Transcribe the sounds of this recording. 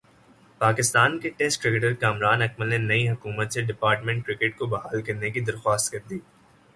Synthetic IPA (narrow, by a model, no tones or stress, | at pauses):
paːkɪst̪aːnkeʈeːsʈkɾɪkeʈəɾkaːmɾaːnɐkməlnenɐiɦɐkuːmət̪seɖɪpaːɾʈmɛ̃ɳʈ̚kɾɪkeʈ̚kobɐɦaːlkɐɾnekid̪ɐɾxwaːst̪kɐɾd̪iː